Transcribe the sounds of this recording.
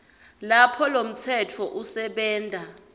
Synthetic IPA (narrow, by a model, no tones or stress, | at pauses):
lapʰɔlom̩tʰɛtʰɔʔusɛɓɛːndʼʱa